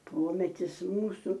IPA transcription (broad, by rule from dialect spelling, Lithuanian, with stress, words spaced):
ˈpoːmʲɛtʲɪs ˈmuːsʊ